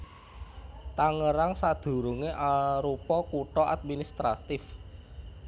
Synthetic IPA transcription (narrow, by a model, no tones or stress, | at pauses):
t̪aŋəɾaŋsad̪̥o̤ɾuŋeʔaɾupɔkuʈɔʔad̪̚minist̪ɾa̰t̪ɪf